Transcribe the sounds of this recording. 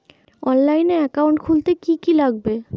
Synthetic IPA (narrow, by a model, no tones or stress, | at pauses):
ɔnlajneɛkawɳʈkʰult̪ekikilaɡ̚be